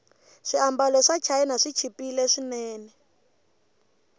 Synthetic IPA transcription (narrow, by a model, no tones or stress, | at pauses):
ʂiambalɔʂat͡ʃʰaɛnaʂit͡ʃʰipilɛʂinɛːnɛ